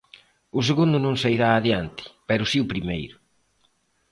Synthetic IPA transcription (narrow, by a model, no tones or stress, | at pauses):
ʊseɣund̪ʊnõŋsaiɾaːðjant̪ɪ̥pɛɾʊsiʊpɾimejɾʊ